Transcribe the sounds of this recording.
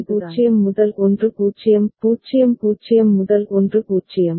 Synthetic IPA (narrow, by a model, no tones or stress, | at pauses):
puːt͡ʃːɪjɐmːʊðɐlʔɔndrɯkuːt͡ʃːɪjɐmkuːt͡ʃːɪjɐmkuːt͡ʃːɪjɐmːʊðɐlʔɔndrɯkuːt͡ʃːɪjɐm